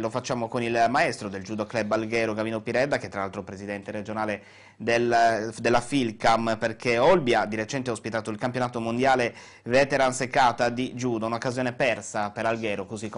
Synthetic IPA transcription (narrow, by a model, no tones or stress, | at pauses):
lofat͡ʃːaːmokonilmaɛst̪ɾod̪eld͡ʒuːd̪oklɛbalɡɛːɾoɡaviːnopiɾɛd̪ːakɛt̪ːɾalalt̪ɾopɾezid̪ɛnt̪eɾed͡ʒonaːle | d̪eld̪elːafilkamperkʰeɔlbjad̪iɾet͡ʃɛnt̪̬eaospit̪aːt̪oilkampjonaːt̪omond̪jaːle | vɛːt̪eɾansekːaːt̪ad̪id͡ʒuːd̪aunaokːazjoːnepɛrsapeɾalɡɛːɾokozik